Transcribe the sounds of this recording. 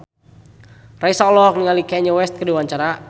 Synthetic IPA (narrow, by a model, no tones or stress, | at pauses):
raisaɔlɔkniŋalikɛɲɔwɛst̪̚kədiwaɲt͡ʃaɾa